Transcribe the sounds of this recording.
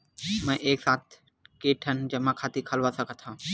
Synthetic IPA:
mɛ̃ːʔeːksaːt̪̚ʰ | keːʈʰənd͡ʒɐmãkʰaːt̪ikʰəlʋasəkʰət̪ʰãː

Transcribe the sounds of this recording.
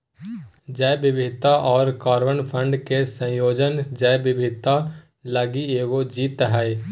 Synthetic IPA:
d͡ʒəjbɪbʱɪt̪aʔɔːɾkaːɾwənpʰə̃ɳɖkesə̃joːd͡ʒənd͡ʒəjbɪbʱɪt̪a | ləɡieːɡod͡ʒiːt̪ɦɛ

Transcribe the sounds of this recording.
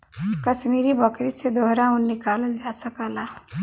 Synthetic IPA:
kəsmiɾibʱəkɾised̪oɦɾaunːikaləld͡ʒasəkəla

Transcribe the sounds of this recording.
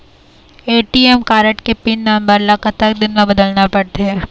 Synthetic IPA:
eːʈiɛmkaːɾəʈkepinːambəɾlɐkʰət̪ək̚d̪ɪnmẽbɐd̪əlnapɐɽt̪eɦɛː

